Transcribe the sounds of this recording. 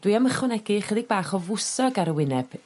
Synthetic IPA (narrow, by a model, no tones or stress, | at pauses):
d̥wiaməχɔnɛɡɪχədɪɡ̚baːχɔvʊsɔɡaɾəwɪnɛb̥